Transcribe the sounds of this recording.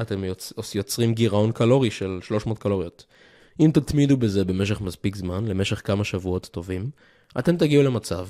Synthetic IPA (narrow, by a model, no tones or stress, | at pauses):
at̪e̞moojo̞t͡sʁimɡiʁao̞nkalo̞ʁiʃe̞lʃlo̞ʃmo̞ːt̪̚kalo̞ʁijo̞t̪ | imt̪at̪mid̪ube̞ze̞be̞me̞ʃ̬e̞χmaspikzmanle̞me̞ʃe̞χkamaʃavuo̞t̪ːo̞vim | ʔate̞mt̪̬aɡiule̞mat͡sav